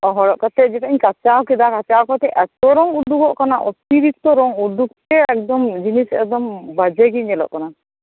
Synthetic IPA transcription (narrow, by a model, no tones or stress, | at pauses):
ɔɦɔɽɔʔkat̪ɛd͡ʒɛt̪aiɲkat͡ʃakid̪akat͡ʃawkat̪ɛʔɛt̪ɔɾɔŋuɖukɔʔkanaʔɔt̪iɾikt̪ɔɾɔŋuɖuk̚t̪ɛɛk̚d̪ɔmd͡ʒinisɛk̚d̪ɔmbad͡ʒɛɡiɲɛlɔ̰ʔkana